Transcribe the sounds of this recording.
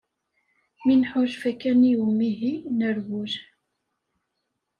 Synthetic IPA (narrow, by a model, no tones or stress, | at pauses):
mɪnħʊʒfækænijʊmːiɦinəɾwʊʒ